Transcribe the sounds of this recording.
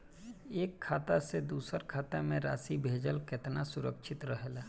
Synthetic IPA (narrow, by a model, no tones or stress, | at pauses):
eːkʰːaːt̪ased̪uːsəɾkʰaːt̪amẽɾa̰ːsibʱeːd͡ʒəlkɪt̪nasʊɾəkʃʰɪt̪ɾəɦlaː